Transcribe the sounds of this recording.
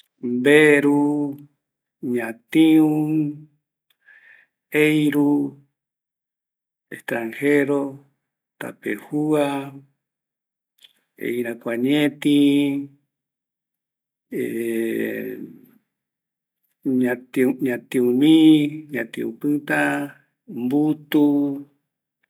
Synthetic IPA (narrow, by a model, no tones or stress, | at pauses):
mbeɾu | ɲãt̪ĩũ | eiɾu | ḛht̪ɾãŋheɾo | t̪a̰pḛhua | ḛiɾakʷaɲẽt̪ĩ | ɲãt̪iuɲãt̪ĩũmĩɲãt̪ĩṵ̃pɨt̪ã | mbut̪u